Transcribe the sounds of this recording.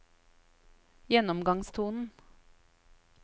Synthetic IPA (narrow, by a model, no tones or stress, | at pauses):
jɛnɔmɡɑŋst̪ʰuːnn̩